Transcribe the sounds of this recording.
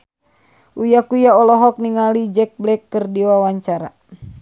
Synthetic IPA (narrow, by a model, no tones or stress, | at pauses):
ʔujakujaɔlɔɦɔk̚niŋalid͡ʒɛk̚blɛkːərdiwawaɲt͡ʃaɾa